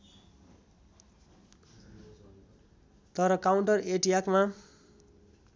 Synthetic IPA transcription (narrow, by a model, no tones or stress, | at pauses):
t̪ʌɾʌkauɳʈʌreʈijakma